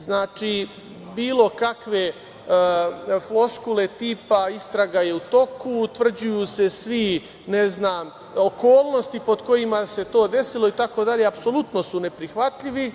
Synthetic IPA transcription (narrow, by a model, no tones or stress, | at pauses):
znaːt͡ʃi | biːlˠo̞kakʋe̞ | flo̞skule̞t̪iːpaist̪ɾaɡaje̞ut̪o̞kut̪ʋr̩d͡ʑujuːse̞sʋi | neznaːm | oko̞ːlˠno̞st̪ipo̞d̪ko̞jimase̞t̪o̞ːd̪e̞silo̞it̪ako̞d̪aʎe̞apso̞lut̪no̞sune̞pɾixʋat̪ʎiʋi